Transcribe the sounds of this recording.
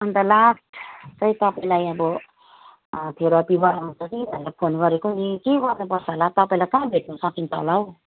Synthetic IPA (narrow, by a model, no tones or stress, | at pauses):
ʌnt̪ʌlasʈt͡sʌĩt̪ʌpaĩlajʌbʌ | t̪ʰeɾoʌpibʌɾaɦunt͡sʰʌkibʱʌnɾapʰonɡʌɾekonikeɡʌrnʌpʌrsaɦlat̪ʌpaĩlajkãbʱeʈ̚nusʌkint͡sʰʌ̰law